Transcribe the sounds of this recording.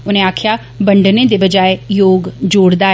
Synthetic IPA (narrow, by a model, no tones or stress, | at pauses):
ʊnẽaːkʰja | bəɳɖnẽd̪ebəd͡ʒaːejoːɡd͡ʒoːɽd̪a